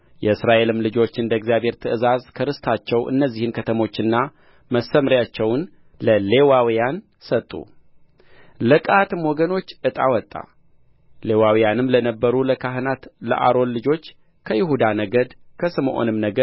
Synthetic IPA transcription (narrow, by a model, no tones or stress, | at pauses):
jɛɨsɾaʔe̞lɨmlɨd͡ʒo̞t͡ʃːɨnd̪əɡzijaβhe̞ɾt̪ʰɨʔɨzazkʰəɾɨst̪ʰat͡ʃːɛwʔɨ̰nːəzːihɨnkʰət̪ʰəmo̞t͡ʃːɨnːa | məsəmɾjat͡ʃːɛwn | ləle̞wawijan | sət̪ʼːṵ | lɨkʼat̪ɨmwɔɡəno̞t͡ʃːʔɨt̪ʼa̰wɔt̪ʼːa̰ | le̞wawijanɨmlənəbːəɾuləkʰaɦɨnat̪lə̰ʔa̰ɾo̞nlɨd͡ʒo̞t͡ʃː | kʰəjɪɦud̪anəɡəd̪kʰəsɨmʔo̰nɨmnəɡ